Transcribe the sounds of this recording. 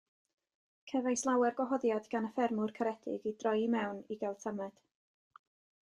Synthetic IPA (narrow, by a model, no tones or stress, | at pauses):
kʰɛvajslˠawɛrɡwɔɦɔðjadɡanəfɛrmʊrkʰəɾɛdɪ̰ɡidrɔjmɛwniɡɛlˠtʰamɛd̥